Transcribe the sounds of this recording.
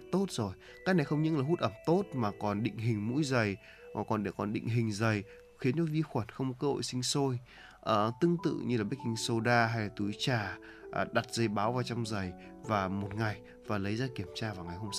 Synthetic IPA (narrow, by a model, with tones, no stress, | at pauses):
t̪o˦˥t̚zo˨˩j | ka˦˥k̚na˨˩jxə˧wŋ͡mɲɨ̰˧˥ŋlaː˨˩ɦu˦˥t̚ʔə˧˩mt̪o˦˥t̚maː˨˩kɔ˨˩nɗḭ̈˧˨ŋ̟ɦï˨˩ŋ̟mṵ˧˥jzə˨˩j | maː˨˩kɔ˨˩nɗe˧˩kɔ˨˩nɗḭ˧˨ŋ̟ɦï˨˩ŋ̟zə˨˩j | xi˨˦ənt͡ɕɔ˨˦vi˧xwə˧˩nxə˧wŋ͡mkəː˧ho̰˧˨jsï˧ŋ̟so˧j | ʔəː˨˩t̪ɨ˧əŋt̪ɨ̰˧˨ɲɨ˧laː˨˩ɓk̚kï˧ŋ̟so˧ɗaː˧ɦa˧jlaː˨˩t̪u˨˦jt͡ɕaː˨˩ | ʔɗa˨˩t̚z̥ə˨˩jɓaː˨˦wvaː˨˩wt͡ɕɔ˧wŋ͡mzə˨˩j | vaː˨˩mo˨˩t̚ŋa˨˩j | vaː˨˩lə˨˦jzaː˧ki˧˩əmt͡ɕaː˧vaː˨˩wŋa˨˩jɦo˧msa˧˦w